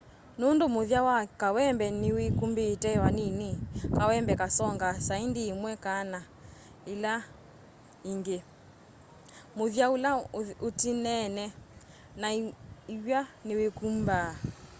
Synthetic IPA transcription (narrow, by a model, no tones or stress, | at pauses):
nondomoðjawakawɛmbɛnɪwekumbeːtɛwaninikawɛmbɛkasɔŋɡasaindiːmwɛkana | ila | iŋɡe | moðjaulaotinɛnɛ | naiwjanewekumba